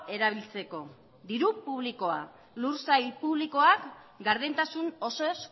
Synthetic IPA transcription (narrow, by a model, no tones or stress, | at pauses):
e̞ɾaβ̞ilt͡se̞ko̞ | d̪iɾupuβ̞liko̞a̰ | luɾsajpuβliko̞akɡaɾðent̪asuno̞soes